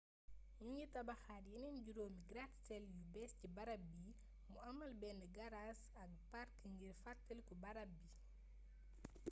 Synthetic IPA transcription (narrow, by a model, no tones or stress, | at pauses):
jiɲitɐbɐxaːɾjinɛnɟuɾoːmiɡɾatsɛljubɛscibɐɾɐbi | muɐmɐlbɛndəɡɐɾas | ɐk̚paɾkŋɡiɾfatːəlkubɐɾɐbi